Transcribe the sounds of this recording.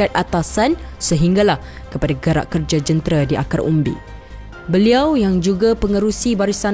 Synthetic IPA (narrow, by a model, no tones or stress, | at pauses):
at̪̚ʔat̪asansəɦiŋɡalah | kəpadaɡəɾa̰ʔkərd͡ʒad͡ʒənt̪ɾadia̰karʔṵmbḭʔ | bəliawjaŋd͡ʒuɡapəŋəɾusibaɾisan